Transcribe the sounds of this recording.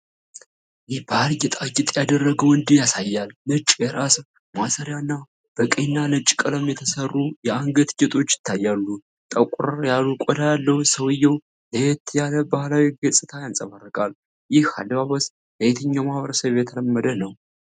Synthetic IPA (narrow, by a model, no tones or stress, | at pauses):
jɪhbalɡɪt̪ʼaɡɪt̪ʼjad̪ərːəɡəwɨnd̪ijasajːalnɨt͡ʃʼjɛɾas | masəɾjanːa | b̥əkʼəjnːanɨt͡ʃʼkʼələmjɛt̪ʰəsərːujɛaŋɡət̪ɡɛt̪ʼo̞t͡ʃːjɪ̥t̪ʰːajːalːu | t̪ʼəkʷʼɾjalukʷʼɔd̪ajalːəwsəwɨjːɛw | ləjɛt̪ʰjaləbahlawiɡəsʼɨt̪ʰajansʼəmarːəkʼal | jɪha̰d̪βaβəs | ləjet̪ʰəɲːamahβəɾəsəβjɛt̪ʰələmːəd̪ənəw